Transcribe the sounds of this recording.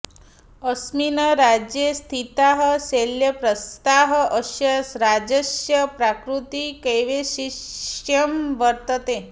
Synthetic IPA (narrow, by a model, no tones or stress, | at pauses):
əsminəɾad͡ʒjest̪ʰit̪aɦəseljəpɾəst̪aɦʔəʃjəsɾad͡ʒəʃjəpɾakɾut̪ikejʋeʃijəmʋəɾt̪ət̪e